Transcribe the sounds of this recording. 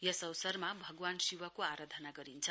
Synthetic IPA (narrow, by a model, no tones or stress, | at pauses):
jʌsʌwsʌrmabʱʌɡwansiwʌkoaɾad̪ʱʌnaɡʌɾint͡sʰʌ